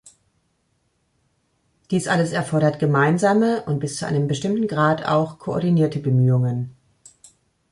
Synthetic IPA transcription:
d̥iːsʔaləsɛɐfɔɐɾɐtɡ̥əmaɪnzaːməʔʊnt̚b̥ɪst͡suʔa̰ɪnəmbəʃtɪmtn̩ɡʁaːtʰa̰ʊxkʰoɔ̰ɐdiniːɐtəbəmyːʊŋən

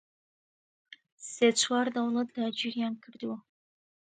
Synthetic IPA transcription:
set͡ɕʷʰward̪awlɐt̪̚d̪aːd͡ʒiɾjaːnkʰɨɾd̪wa

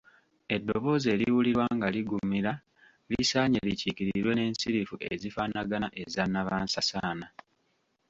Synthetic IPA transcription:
e̞dːoβo̞ːze̞ːɾiwuliɾwaŋɡaliɡumiɾa | lisaːɲeliciciɾiɾwe̞ne̞ːnsiɾifuʔḛzifanaɡanaʔe̞zanːaβaːnsasaːna

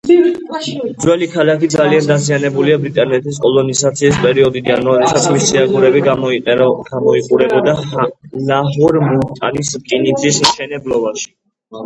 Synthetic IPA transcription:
md̪zwɛlikʰalakid̪zaliand̪azianɛbuliabɾit̪ʼanɛt̪ʰʼis̬kʼɔlɔnizat̪sʰiːs̬pʼɛɾiɔd̪id̪anɔɾisat̪sʰmist̪sʰiaɡuɾɛbi | ɡ̥amɔiqʼuɾɛbad̪alaɦuɾmult̪ʼa̰niskʼinid̪zismʃɛnɛblɔbaʃi̥

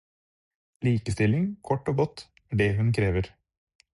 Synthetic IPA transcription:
liːkəst̪ɪlɪŋkʰɔʈːoːɡɔt̪ | æːɖeːɦʉnkʰɾeːʋəɾ

